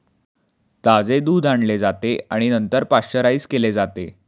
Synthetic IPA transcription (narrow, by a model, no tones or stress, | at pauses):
t̪ad͡zed̪uːd̪aɳled͡zat̪eaɽ̃inənt̪əɾpasɕəɾaiːskeled͡zat̪e